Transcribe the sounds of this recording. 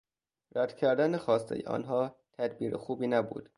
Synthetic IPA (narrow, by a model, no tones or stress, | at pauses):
ɾæd̪̥cʰæɾd̪ænexɒːst̪ʰḛjeʔɒ̰ːnɦɒːt̪ʰæd̪biːɾexuːbiːnæbṵːd̪̥